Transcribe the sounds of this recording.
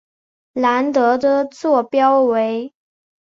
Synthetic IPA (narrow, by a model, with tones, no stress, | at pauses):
la˧˥nt̪ɤ˧˥d̪ə˧t͡swɔ˥˩pjɑ˥ʊwe˧˥ɪ